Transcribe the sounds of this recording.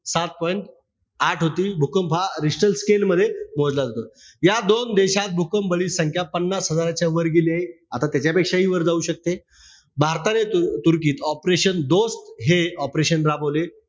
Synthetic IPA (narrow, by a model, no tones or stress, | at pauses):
sat̪̚pɔjiɳʈ | aʈʰɦot̪iːbʱukəmpʰaɾisʈəlskelməd̪ʱːjemod͡zlad͡zʱot̪ə | jad̪ond̪eɕat̪̚bʱukəmbəɭiːsəŋkʰjapənːasɦəd͡zaɾat͡ɕjaʋəɾɡeliae | at̪at̪jat͡ɕjapekʂaɦiːʋəɾd͡zauːɕək̚t̪e | bʱaɾt̪aneut̪uɾkiːt̪ɔpɾeɕənd̪ost̪ɦeɔpɾeɕənɾabole